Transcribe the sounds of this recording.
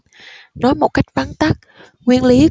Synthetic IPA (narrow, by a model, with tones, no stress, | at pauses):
nɔ˨˦jmo˨˩t̚ka˦˥jk̚va˨˦nt̪a˦˥k̚ | ŋwi˧ənli˨˦